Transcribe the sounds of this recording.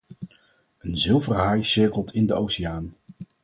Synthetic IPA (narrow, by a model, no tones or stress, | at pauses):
ənzɪlˠvərɦɑjsɪɹkəlˠtʰɪndəowsiaːn